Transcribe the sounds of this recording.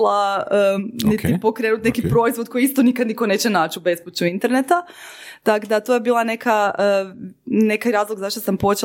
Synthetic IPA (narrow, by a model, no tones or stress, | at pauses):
laənit̪ipo̞kɾeːnut̪nekipɾo̞izʋod̪̚ko̞jiist̪o̞nikad̪nikone̞ːt͡ɕenaːt͡ɕube̞sput͡ɕuint̪e̞ɾnet̪a | t̪aɡd̪at̪ojebiːlˠane̞kaə | ne̞kajɾaːzlˠoɡzaʃt̪osampo̞t͡ɕe